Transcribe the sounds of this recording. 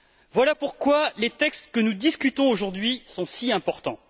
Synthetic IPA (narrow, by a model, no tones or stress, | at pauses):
vwalapuʁkwalet̪ɛkst̪kənud̪iskʲyt̪ɔ̃oʒuʁd̪ɥisɔ̃siɛ̃pɔʁt̪ɑ̰̃